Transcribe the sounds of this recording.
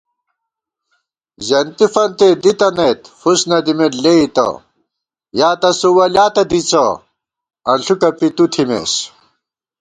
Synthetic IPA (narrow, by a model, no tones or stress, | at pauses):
zɐnt̪ifɐnt̪ed̪it̪ɐnet̪fusnɐd̪imeʈleit̪ɐ̰ | jaːt̪ɐsuwɐljaːt̪ɐd̪it͡sɐ | ɐnɬʰukɐpit̪ut̪ʰimḛɕ